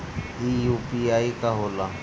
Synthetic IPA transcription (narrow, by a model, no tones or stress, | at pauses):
ijupiaːikaɦoːla